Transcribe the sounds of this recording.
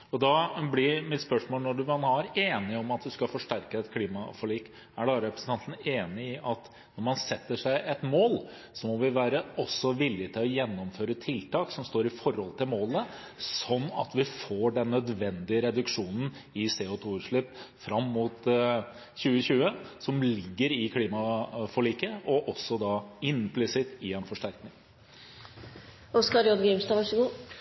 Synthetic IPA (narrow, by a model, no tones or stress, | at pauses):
ɔd̪ɑːblɪɾmɪt̪spœʂmoːlnɔɖʉmɑnhɑɾeːnɪɔmɑt̪̚d̪ʉskɑfɔʂʈæɾkəɛt̪kʰliːmɑfɑliːk | æɖɑːɾɛpɾəsn̩ʰɑnt̪ən̩eːnɪɪʔɑt̪ | nɔɾmɑnsɛt̪ːəʂæɪʔɛt̪moːl | sɔmɔʋɪʋæːɾəɔsːɔʋɪlːɪt̪ʰɪlɔjɛnːɔmføːɾət̪ʰɪlt̪ɑːksɔmst̪oːɾɪfɔɾhɔlt̪ʰɪlmoːlə | sɔnːɑ̰t̪ʋɪfoːɖɛnːœd̪ʋɛnd̪ɪəɾɛd̪ʉkʂuːnn̩ | ɪseːʊt̪ʰuːʉːʂɭɪpfɾɑmːʊt̪ | çʉːəçʉːəsɔmlɪɡːəɾɪkʰliːmɑfɔɭiːkəʔɔʔɔsːɔd̪ɑɪnplɪsɪt̪ːɪɛnfɔʂʈæɾknɪŋ | ɔskɑɾjɔd̪ɡɾɪmst̪ɑʋɑʂəɡuː